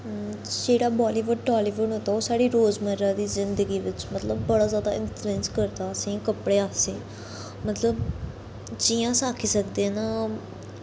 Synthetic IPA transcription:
d͡ʒeːɽaːbɔːliːʋʊɖ̚ʈɔːliːʋʊɳɦoːt̪aːoːsaːɽiːɾoːzməɾaːd̪iːzɪnd̪əɡiːʋɪt͡ʃmət̪ləbːəɽaːzjaːd̪aːʔɪntɾɛ̃ːnskəɾd̪aːəsĩːkəpɽeːaːsẽː | mət̪ləb̚ | d͡ʒiːãːsaːkʰiːsək̚d̪eːnãː

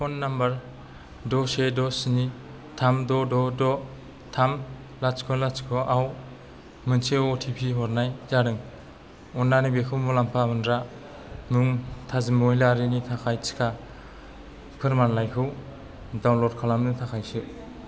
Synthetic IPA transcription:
pʰɔnːambaɾ | dɔsedɔsini | tʰamdɔdɔdɔ | tʰam | laskʰɔlat͡ʃkʰɯʔaw | mɯnsʰeɔtʰipʰiɦɔɾnajzaɾɯŋ | ɔnːanibekʰɯwmulampʰamɯndɾa | muŋtʰazimoilaɾinitʰakʰajt͡ʃʰi̥kʰa | pʰɯɾmanlajkʰɯw | dawnlɔɾ̚kʰalamnɯtʰakʰajsɯ

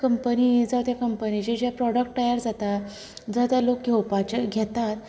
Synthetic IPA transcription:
kəmpənid͡zawt̪jakəmpənit͡ɕed͡ʑjapɾɔɽək̚ʈʈəjəɾd͡zat̪a | d͡zawt̪jalok̚ɡʱewpat͡ɕeɡʱet̪at̪

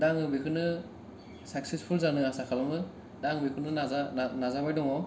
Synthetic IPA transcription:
daŋɯbikʰɯnɯ | sak̚sespʰulzanɯasakʰalamɯ | daŋbikʰɯnɯazanazabajdɔŋɔ

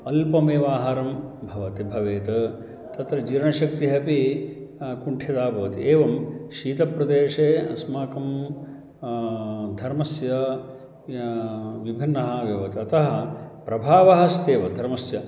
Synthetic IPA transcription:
ɐlpɐmeːʋaːɦɐɾɐmbʱɐʋɐt̪ibʱɐʋeːt̪ɐ | t̪ɐt̪ɾɐd͡ʒiːɾɐɳɐʃɐk̚t̪iɦɐpi | kuɳʈʰjɐd̪aːbʱɐʋɐt̪ieːʋɐmʃiːt̪ɐpɾɐd̪eːʂeːɐ̰smaːkɐm | d̪ʱɐɾmɐsjɐ | ʋibʱinːɐɦɐʋjɐʋɐt̪iɐt̪ɐɦɐpɾɐbʱaːʋɐɦɐst̪eːʋɐd̪ʱɐɾmɐsjɐ

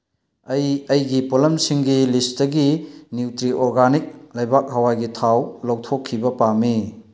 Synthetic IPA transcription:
ɐjɐjɡipolɐmsiŋɡilistɐɡinuwtɾiʔoɾɡanik̚lɐjbak̚ɦɐwaɡitʰawlɐwtʰokʰːibɐpami

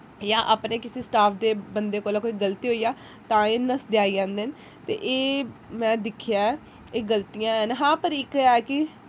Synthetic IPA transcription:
jãːʔaːpneːkɪseːsʈaːpʰd̪eːbənd̪eːkoːlaːkoːiːɡəlt̪iːɦoːijaː | t̪ãːeːnəsd̪ɪaːiːd͡ʒãːnd̪eən | t̪ḛːʔeːmɛ̃ːd̪ɪkʰːɪjaː | eːɡəlt̪ijãːɦənɦãːpəɾɪkɛːkɪ

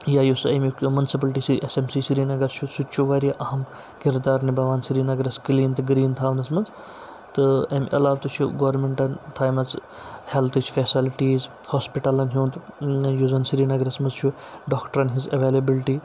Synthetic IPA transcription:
jaːjusɐmʲukmunsip̬ɐlʈiːsiʔesemsiːsiɾiːnɐɡɐɾt͡ʃʰusut͡ʃʰuʋɐɾiɐʔɐɦɐm | kiɾd̪aːɾnibɐʋaːnsiɾiːnɐɡɐɾɐskliːnt̪ɡɾiːnt̪ʰaːʋnɐsmɐnz | t̪ɨɐmʲʔɐ̰laːʋt̪ut͡ʃʰuɡoʋɾmeɳʈɐnt̪ʰaːjmɐt͡s | helt̪ʰit͡ʃʰfesilʈiːz | hoːspiʈɐlɐnɦʲuːnt̪juzɐnsiɾiːnɐɡɐɾɐsmɐnzt͡ʃʰu | ɖoːkʈɐɾɐnɦizɐʋeːlebilʈiː

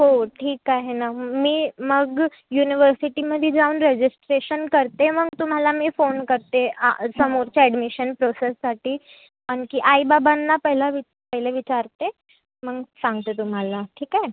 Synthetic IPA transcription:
ɦoʈʰiːkaɦenamiːməɡ | juniʋəɾsiʈiməd̪ʱid͡zauːnɾed͡ʑisʈɾeɕənkəɾt̪eməɡt̪um̤alamiːfonkəɾt̪ea̰səmoɾt͡ɕaɛɖmiɕənpɾosesːaʈʰiː | ankiːʔaibabanːapəɦilaʋi | pəɦileʋit͡ɕaɾt̪e | məɡsãŋɡt̪ət̪um̤alaʈʰiːkaɦe

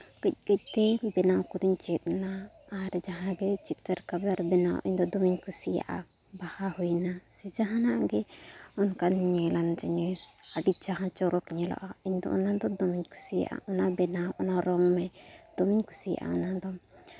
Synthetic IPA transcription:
kəc̚kəc̚t̪ɛbɛnakud̪uɲt͡ʃɛt̪̚naː | ɾɛd͡ʒaɦãɡɛt͡ʃip̚t̪ɛɾkablaɾbɛna̰ʔḭɲd̪ɔd̪ɔmiɲkusija̰ʔa̰ | bahahujnasɛd͡ʒaɦanaʔɡɛɔnkanɲɛland͡ʒɛɲɛsaɖit͡ʃaɦãt͡ʃɔɾɔkɲɛlɔ̰ʔaiɲd̪ɔ̰ʔɔ̰nand̪ɔd̪ɔmiɲku̥sḭʔa̰ʔɔnabɛnaʔɔnaɾɔŋmɛd̪̥ɔmiɲku̥sij̰ʔa̰ɔnand̪ɔ

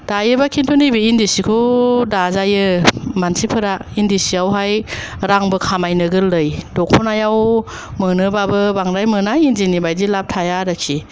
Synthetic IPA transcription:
d̥ajɯbakʰintʰunɯjbiindisikʰudazajɯmansipʰɯɾaindisiawɦajɾaŋbɯkʰamajnɯɡɯlːɯjdɔkʰɔnajaw | mɯnɯbabɯbaŋɾajmɯnajinzinibajdilap̚tʰajaɾakʰi

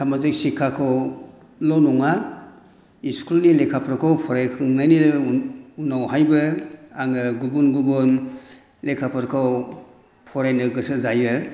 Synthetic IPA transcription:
samazik̚sikʰakʰaw | lɔnɔŋa | iskulnilekʰapʰɾkʰawpʰɔɾajkʰɾɯŋnajniɾ | unawɦajbɯaŋɯɡubunɡubun | lekʰapʰɯɾkʰaw | pʰɔɾajnɯɡɯsɯzajɯ

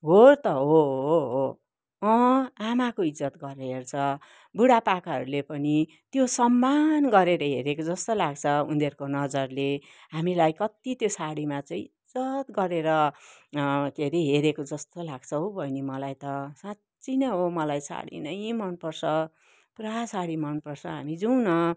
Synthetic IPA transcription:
ɦort̪ʌɦoɦo | ʌ̃amakoid͡zːʌt̪ɡʌɾɦert͡sʰʌ | buɽapakaɦʌ̰ɾulepʌni | t̪josʌmːanɡʌɾeɾʌɦeɾekod͡zʌst̪olaɡt͡sʰʌund̪ʱerkonʌd͡zʌrle | ɦamilajkʌt̪it̪josaɽimat͡saĩid͡zʌt̪ɡʌɾeɾʌ | keɾiɦeɾekod͡zʌst̪olaɡt͡sʰʌwbʱʌjnemʌlajt̪ʌsã | t͡sinʌɦomʌlajsa̰ɽḭnʌjmʌnpʌrsʰʌ | puɾasaɽimʌnpʌrsʰʌɦa̰mid͡zunʌ

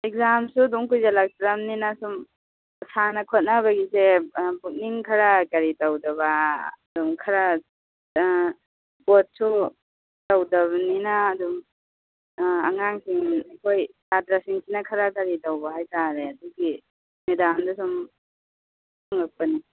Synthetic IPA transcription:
ek̚zamsuduŋkujzalak̚tɾamninasum | sanɐkʰot̚naβɐɡisebuk̚niŋkʰɐɾakaɾitawdɐβadumkʰaɾa | bot̚su | tawdɐβɐninaːdum | a̰ŋaŋsiŋakʰojsatɾasiŋsinakʰaɾakaɾitawbaɦajtaɾeaduŋki | medamdɐsum | aŋak̚pani

